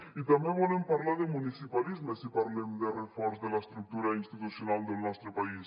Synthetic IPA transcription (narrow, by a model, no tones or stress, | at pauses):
it̪ambjeβɔlempaɾlaɾðemunisipalizmesipaɾlemd̪erefɔɾzðelaest̪ɾuk̚t̪uɾainst̪it̪usjonald̪elnɔst̪ɾopais